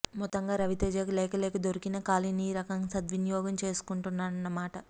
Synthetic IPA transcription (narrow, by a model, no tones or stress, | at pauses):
mɔt̪ːɐŋɡaːɾɐʋit̪eːd͡ʒɐːkulɛːkɐleːkɐd̪oɾikinɐkaːliniːɾɐkɐŋsɐd̪ʋinjɔːɡɐmt͡ʃe̞ːsu̥kuɳʈunːaːɾɐnːɐmaːʈɐ